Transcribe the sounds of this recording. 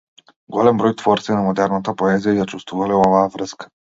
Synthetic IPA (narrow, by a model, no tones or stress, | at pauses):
ɡɔlɛmbɾɔjt̪vɔɾt̪sinamɔd̪ɛɾnat̪apɔɛzijajat͡ʃust̪vuvalɛɔvaːvɾəskḁ